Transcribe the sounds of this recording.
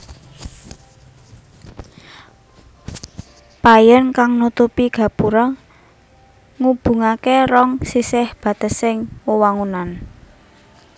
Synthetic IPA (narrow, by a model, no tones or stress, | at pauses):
pajənkaŋnut̪upiɡ̥a̤puɾɔ | ŋub̥ṳŋakeɾɔŋsisɪhb̥ä̤t̪ə̤sɪŋwowaŋunan